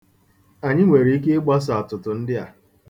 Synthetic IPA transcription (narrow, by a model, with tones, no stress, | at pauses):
a˨ɲɪ˦ŋʷe˨ɾi˨˦i˦ke˦ɡ͡ba˦s̬a˨a˨tʊ˨tʊ˨n̩˦dɪ˦a̰˨